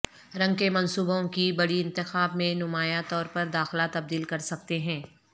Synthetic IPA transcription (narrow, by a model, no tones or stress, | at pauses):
ɾɐ̃ŋɡkemɐ̃nsuːbõkibɐɽiɪ̃nt̪ɪxaːbmẽnʊmaːjat̪ɔːɾpɐɾd̪aːxlat̪ɐb̚d̪iːlkɐɾsɐk̚t̪eɦɛ̃ː